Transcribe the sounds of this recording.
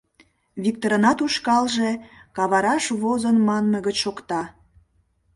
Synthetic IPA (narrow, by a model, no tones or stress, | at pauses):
βik̚t̪oɾənɑt̪uʃkɑlʒekɑβɑɾɑʃβozənmɑnməɣət͡ɕʃokt̪ɑ